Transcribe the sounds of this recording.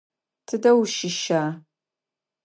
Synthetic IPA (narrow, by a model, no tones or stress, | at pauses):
tʰɨdɐwʃɪʃaː